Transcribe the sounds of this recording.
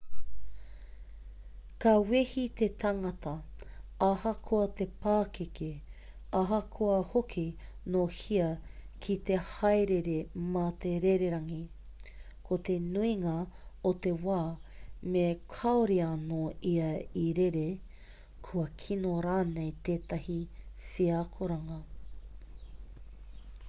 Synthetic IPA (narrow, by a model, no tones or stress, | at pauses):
kɐwehit̪et̪ɐŋɐt̪ɐɐhɐkʰoɐt̪epaːkeke | ɐɦɐkʰoɐhokʰinohiɐkʰit̪ehɐjɾeɾemɐt̪eɾeɾeɾɐŋi | kʰot̪enuiŋɐot̪e̞waːmekʰɐoɾiɐnoiɐiɾeɾe | kʰuɐkʰinoɾaːnejt̪eːt̪ɐhifiakʰoɾɐŋɐ